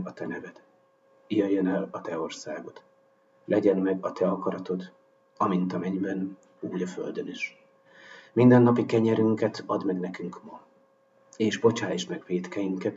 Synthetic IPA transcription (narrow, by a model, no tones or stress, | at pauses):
ɒt̪ɛnɛvɛd̪ | ijøjønɛlɒt̪ɛo̞rsaːɡo̞t̪ | lʔɛɟɛnmɛɡɒt̪ʰɛɒkɒɾɒt̪o̞t̪ | ɒmint̪ɒmɛɲbɛn | uːɟɒfø̰ld̪øniʃ | mind̪ɛnːɒpikɛɲɛɾyŋkɛt̪ɒd̪mɛɡnɛkyŋkmɒ | eːʒbo̞t͡ʃaːjʃmɛɡveːt̪kɛjiŋkɛt̪